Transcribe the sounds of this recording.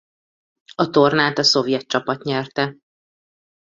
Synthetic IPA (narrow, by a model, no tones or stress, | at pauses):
ɒt̪o̞rnaːt̪ɒso̞vjɛt̪t͡ʃɒpɒt̪ɲɛrt̪ɛ